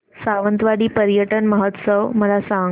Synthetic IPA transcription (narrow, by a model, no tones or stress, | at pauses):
saʋənt̪ʋaɽiːpəɾjəʈənməɦət̪səʋməlasã